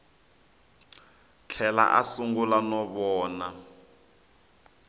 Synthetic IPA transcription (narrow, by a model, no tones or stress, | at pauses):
t͡ɬʰɛla̰ʔasuŋɡulanɔβɔːna